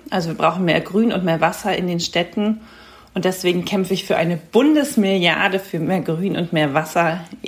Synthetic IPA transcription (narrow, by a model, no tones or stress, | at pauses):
ʔalzoviːɐbʁaʊxn̩meːɐɡʁyːnʊ̰ntmeːɐvasɐɪndeːnʃtɛtn̩ | ʔʔʊntd̥ɛsv̥eːɡŋ̩kʰɛmfəɪçfyːɐʔaɪnəb̥ʊndəsmɪlja̰ɐdəfyːɐmeːɐɡʁyːnʔʊ̰ntmeːɐvasɐ